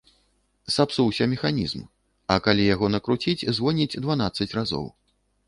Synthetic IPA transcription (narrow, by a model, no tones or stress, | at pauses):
sapsuwsʲɐmʲɛxanʲḭzm | ɐkalʲijaɣɔnɐkɾut͡sʲit͡sʲzvɔnʲid͡zʲd̪vanat̪sɐt͡sʲrazɔ̰w